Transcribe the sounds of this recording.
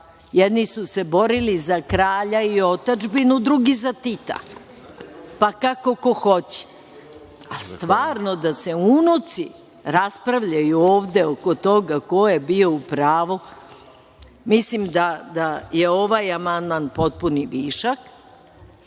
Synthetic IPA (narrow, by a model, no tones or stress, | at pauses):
jɛd̪nisusebo̞ɾilizakɾaːʎaio̞t̪ad͡ʒbinud̪ɾuɡizat̪it̪a̰ | pakako̞koxo̞t͡ɕe̥ | ast̪ʋaːɾno̞d̪ase̞uunut̪si | ɾaspɾaʋʎajuoːʋd̪e̞oko̞t̪o̞ɡako̞jebio̞upɾaːʋo | mislimd̪ad̪aje̞o̞ʋajamand̪manpo̞t̪̚puniʋiːʃak